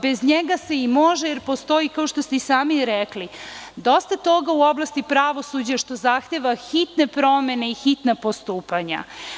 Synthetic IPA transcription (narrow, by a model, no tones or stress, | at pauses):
bezɲeɡase̞imoʒejeɾpo̞st̪o̞ikao̞ʃt̪ost̪eisaːmiɾɛklid̪ost̪at̪o̞ɡauo̞blˠast̪ipɾaʋo̞sud͡ʑaʃt̪o̞zaxt̪eʋaxit̪nepɾo̞mene̞ixit̪napo̞st̪uːpaɲa̰